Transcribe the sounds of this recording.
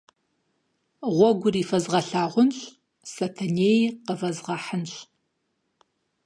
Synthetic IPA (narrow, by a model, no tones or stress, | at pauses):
ʁʷɔɡʷʊriːfɐzʁɐɬaːʁʷʊnɕʼ | sɐtʰɐneːjqəvɐzʁɐħənɕʼ